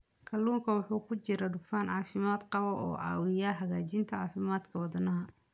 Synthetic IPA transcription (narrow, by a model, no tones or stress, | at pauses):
kʰɐlːuːŋkʰɐwɑħuːkʰʊt͡ʃɪɾɐɖʊfaːnʕɑːfɪmaːd̪qɑβɔʔɔ̰ːʕɑ̰ːwɪjaːɦɐɣaːt͡ʃɪnt̪ʰɐʕɑːfɪmaːd̪kʰɐwɑd̪ɐnɐɦɐ